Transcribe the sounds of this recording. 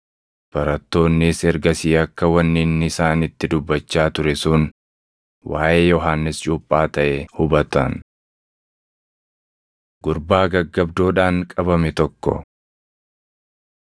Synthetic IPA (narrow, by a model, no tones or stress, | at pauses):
b̥ɐɾɐt̪ːo̞ːnːɪsɛɾɡɐsiːɐkːɐwɐnːɪnːɪsaːnɪt̪ːɪd̪ʊbːɐt͡ʃːaːt̪ʊɾɛsʊn | wʔaːʔeːjɔɦaːnːɪst͡ʃʼuːpʼːaːt̪ɐʔɛhʊbɐt̪ɐn | ɡʊɾbaːɡɐɡːɐbd̪oːᶑaːŋkʼɐbɐmɛt̪ɔkːɔ̰